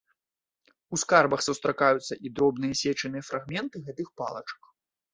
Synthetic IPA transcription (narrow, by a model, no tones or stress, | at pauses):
uskarbɐxsust̪ɾakajut̪sːɐʔid̪ɾɔbn̪ɨjɐsʲɛt͡ʂɐnɨjɐfɾaɣmʲɛnt̪ɨɣɛt̪ɨxpa̰lˠɐ̰t͡ʂɐ̥k